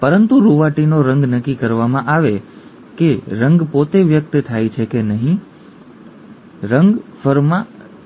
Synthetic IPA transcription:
pəɾənt̪uɾuʋaʈinoɾəŋɡnəkːikəɾʋamãʔaʋe | keɾəŋɡpot̪eʋjək̚t̪t̪ʰajt͡ʃʰekenəɦĩ | ɾəŋɡfəɾmã

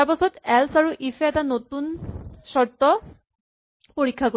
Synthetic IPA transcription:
apasʰɔt̪ɛlsaɹuʔifʰɛtanot̪unsɔɹt̪ɔ | poɹikʰːako

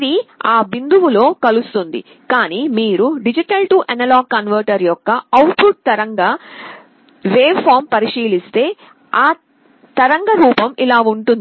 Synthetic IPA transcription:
ɾiaːbind̪uʋulo̞ːkɐlust̪und̪ḭ | kaːniːmiːɾuɖid͡ʒiʈɐlʈuːʔɐnɐlaːɡ̚kɐnʋɐɾʈɐɾjɔkːɐɐwpɾuʈ̚t̪ɐɾɐŋɡaː | ʋeːbpʰaːɾmpɐɾiʂiːlist̪e̞ː | aː | t̪ɐɾɐŋɡɐɾuːpɐmilaːuɳʈund̪i

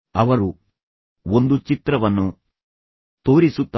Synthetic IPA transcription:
ɐʋɐɾu | ond̪ut͡ʃit̪ɾɐʋɐnːu | t̪o̞ːɾisut̪ː

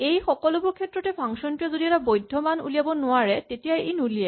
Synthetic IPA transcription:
ejxɔkɔlɔbʊɹkʰɛtːɹɔtɛpʰaŋsɔntujazodiɛtabojdʱɔmanṵlijabɔnʊaɹɛtetijajinulijɛ

